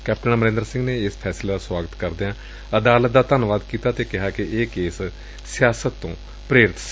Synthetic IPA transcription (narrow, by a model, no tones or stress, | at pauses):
kɛːp̚ʈənməɾɪ̃ːnd̪əɾsɪ̃ŋɡneːɪspʰɛːsleːd̪aːswaːɡət̪kəɾd̪eːãː | əd̪aːlət̪̚d̪aːt̪ənʋaːd̪kiːt̪aːt̪eːkɪɦaːkɪʔeːkeːs | sɪjaːsət̪ːõː | pɾeːɾɪt̪